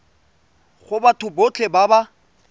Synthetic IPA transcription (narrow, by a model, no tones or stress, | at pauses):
χʊbatʰʊbot͡ɬʰebaba